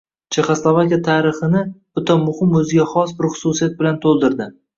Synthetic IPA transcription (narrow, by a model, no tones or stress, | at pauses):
t͡ʃʰe̞χaslˠovakʲijat̪ʰaɾɪχɪnɪb̥ʊt̪ʰɒmʊhɪmɵzɪɡʲaχɒsbɪɾχʊ̥susijat̪̚bɪlant̪ʰolˠd̪ɪɾd̪ɪ